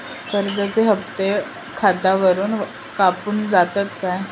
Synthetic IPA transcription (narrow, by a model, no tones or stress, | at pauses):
kəɾd͡zat͡seɦəpt̪e | kʰad̪aʋəɾuːn | kapuːnd͡zat̪at̪kaj